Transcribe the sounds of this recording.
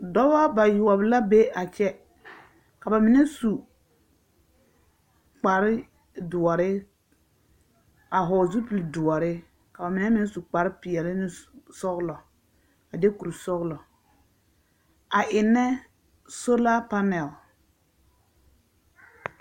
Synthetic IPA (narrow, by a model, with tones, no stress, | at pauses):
dɔ˦ba˦ba˨jʊ˨ɔ˨bɪ˨˦la˦be˦a˨t͡ʃɛ˦ | ka˨ba˨mɪ˨nɛ˦su˨ | k͡pa˨ɾɪ˦ | dʊ˨ɔ˨ɾɪ˦ | a˨ɦɔː˨zu˦pi˨ldʊ˨ɔ˨ɾɪ˦ | ka˨ba˨mɪ˨˦nɛ˦mɪ˦nɛ˦su˨k͡pa˨ɾɪ˦pɪ˨ɛ˨lɪ˦nɪ˦sɔ˦ɣlɔ˨ | a˨de˦ku˨ɾsɔ˦ɣlɔ˨ | a˨ʔɪ˨nːɛ˦ | so˦la˦pa˦nɛ˨l